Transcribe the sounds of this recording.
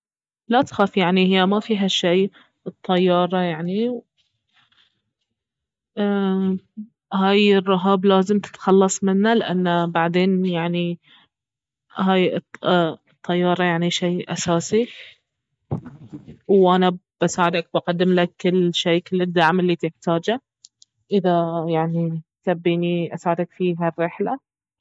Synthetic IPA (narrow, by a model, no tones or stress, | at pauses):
lat̪xaːfjaʕnihɪjːamafiːɦaʃːej | ʔɨt̪ˤːɑjːɑːɾˤɑjaʕniw | haːjɪrˤːɑɦaːblaːzɪmt̪ɪ̥t̪xɑlːɑsˤmɪnːalɪʔanːabaʕd̪eːnjaʕni | ɦaːj | t̪ˤʰːɑjːɑːɾˤɑjaʕniʃejʔa̰saːsi | wʔanab̥asaːʕɪd̪ak̚baqad̪ːɪmlakːɪlːʃaːkɪlɪd̪ːaʕmɪlːit̪ɪħt̪aːd͡ʒa | ʔɪðajaʕnisabːiːniʔasaʕɪd̪akfiːɦarːɪħla